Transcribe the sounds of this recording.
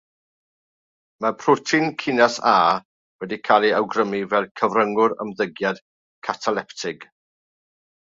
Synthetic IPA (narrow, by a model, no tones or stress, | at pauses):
mapʰrʊtʰɪnkʰɪnasaː | wɛdikʰalˠiawɡrəmivɛlˠkʰəvrəŋʊɾə̰mðəɡjad̥ | kʰatʰalˠɛptʰɪɡ̥